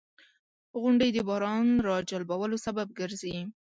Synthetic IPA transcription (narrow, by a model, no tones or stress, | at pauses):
ɣʊɳɖəjd̪əbɑhɾɑnɾɑd͡ʒalbawəlosabab̚ɡəɾzi